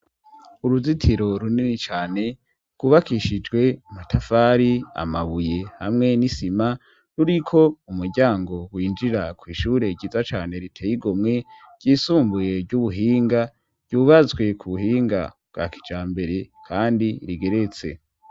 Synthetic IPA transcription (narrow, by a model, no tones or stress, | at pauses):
uɾuzitʰiɾo̞ɾuninit͡ʃaːne̞ | ɡ̥uβakiʃid͡ʒɡwe̞matʰafaːɾia̰maβuje̞hamŋe̞nisima | ɾuɾikʰo̞umuɾɟaːŋɡo̞wiːnd͡ʒiɾakwiːʃuːɾe̞ɟiːzat͡ʃaːne̞ɾitʰejiɡomŋe̞ | ɡ̥ɟ̥iːsuːmbuje̞vɟuβuɦiːŋɡa | v̥ɟ̥uːβazwe̞kʰuβuɦiːŋɡa̰bɡa̰ki̥d͡ʒaːmbe̞ɾe̞kʰaːndiɾiɡe̞ɾe̞t͡se̞̰